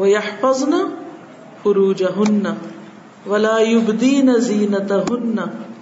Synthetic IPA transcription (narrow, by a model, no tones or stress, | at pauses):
wajɑħfɑzˤna | fʊɾuːd͡ʒaɦʊnːa | walaːjʊbd̪iːnaziːnat̪aɦʊnːa